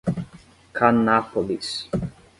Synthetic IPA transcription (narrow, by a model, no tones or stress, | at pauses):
kʰanːapolis